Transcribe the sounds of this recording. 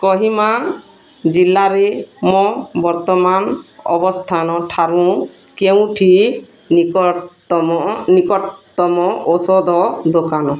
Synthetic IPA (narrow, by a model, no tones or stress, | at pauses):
kɔɦima | d͡ʒilːaɾemɔ̃bɔɾt̪ɔmanɔ̰bɔst̪ʰanɔʈʰaɾũ | keũʈʰi | ɔɔnikɔt̪ɔmɔosɔd̪ʱɔd̪okanɔ